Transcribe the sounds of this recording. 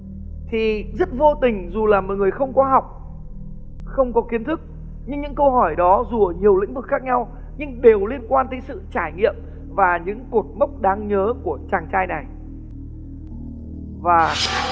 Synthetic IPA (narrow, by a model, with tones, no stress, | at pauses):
t̪ʰi˨˩zə˦˥t̚vo˧t̪ï˨˩ŋ̟zu˨˩laː˨˩mɔ̰˨ŋɨ˨˩ə˩jxə˧wŋ͡mkɔ˨˦ɦa˨˩wk͡p̚ | xə˧wŋ͡mkɔ˨˦ki˨˦ənt̪ʰɨ˦˥k̚ | ɲɨ˧ŋɲɨ̰˧˥ŋkə˧wɦɔ˧˩jɗɔ˨˦zu˨˩əː˧˨˩ɲi˨˩əwlḭ˧˥ŋ̟vɨ˨˩k̚xaː˦˥k̚ɲa˧w | ɲɨ˧ŋɗe˨˩wli˧ənkwaː˧nt̪ʰə˨˦jsɨ̰˧˨t͡ɕaː˧˩jŋḭ˧˨əm | vaː˨˩ɲɨ̰˧˥ŋku˨˩t̚mə˦˥wk͡p̚ɗaː˨˦ŋɲəː˨˦ku˧˩ət͡ɕaː˨˩ŋt͡ɕaː˧jna˨˩j | vaː˨˩